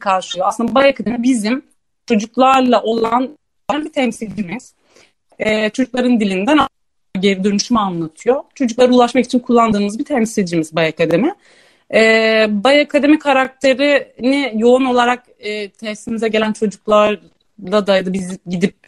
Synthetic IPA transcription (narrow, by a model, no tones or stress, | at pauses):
kʰaɾʃjoasɯnd̪abajakʰad̪e̞mibizim | t͡ʃʰo̞d͡ʒuklˠaɾlˠaʔo̞lˠan | baɾɾbit̪ʰɛmsilʲd͡ʒimiz̥ | ɛːt͡ʃʰo̞d͡ʒuklˠaɾɯnd̪ilʲind̪æna | ɟeɾid̪ø̞nyʃymɛanlˠat̪ʰɯjo̞t͡ʃʰo̞d͡ʒuklˠaɾɯulˠaʃmaki̥t͡ʃʰinkʰulˠːand̪ɯːmɯzbit̪ʰɛmsilʲd͡ʒimizbajakad̪e̞mɪ | ɛbajakʰad̪e̞mikʰaɾak̚t̪ʰe̞ɾinijo̞uno̞lˠaɾak̚ː | t̪ʰɛsimizɛɟe̞lʲænt͡ʃʰo̞d͡ʒuklˠaɾ | lˠad̪ajad̪abizɟid̪ip̚